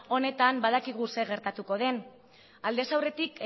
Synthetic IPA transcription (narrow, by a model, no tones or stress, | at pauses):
o̞ne̞t̪ambaðakiɣ̞use̞ɣ̞e̞ɾt̪at̪uko̞ð̞e̞n | ald̪e̞sawre̞t̪ik